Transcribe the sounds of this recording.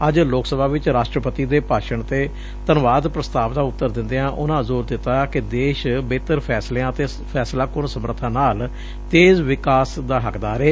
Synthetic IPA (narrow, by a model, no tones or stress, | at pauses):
əd͡ʒloːksəbaːʋɪt͡ʃɾaːʃʈɾəpət̪iːd̪eːpaːʃəɳt̪eː | t̪ənʋaːd̪pɾəst̪aːʋd̪ãːʊt̪ːəɾd̪ɪ̃nd̪eãːʔʊnãːzoːɾd̪ɪt̪ːaːkɪd̪eːʃbeːt̪əɾpʰɛːsleãːət̪eː | pʰɛːslaːkʊɳsəməɾət̪ʰãːnaːl | t̪eːzʋɪkaːsd̪aːɦəkd̪aːɾeː